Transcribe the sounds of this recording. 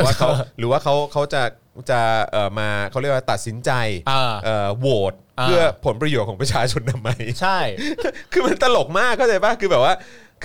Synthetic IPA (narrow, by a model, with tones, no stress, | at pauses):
waː˥˩kʰa˦˥wɾɯː˩˦waː˥˩kʰa˦˥wkʰa˦˥wt͡ɕa˨˩ | t͡ɕa˨˩ʔəː˨˩maː˧kʰa˦˥wɾi˥˩wa˥˩t̪a˨˩t̪̚si˩˦nt͡ɕa˧ja˧˩ʔɤː˨˩woː˨˩t̪̚pːɯ˥˩ɐpʰo˩˦npɾa˧joː˨˩t̪̚kʰɔː˩˦pɾa˧t͡ɕʰaː˧t͡ɕʰo˧ntʰa˧mːa˦˥jt͡ɕʰa˥˩jkʰɯː˧ma˧nt̪a˧lo˨˩k̚maː˥˩kʰːa˥˩t͡ɕa˧jbaː˥˩kʰɯː˧bɛː˨˩waː˥˩ | k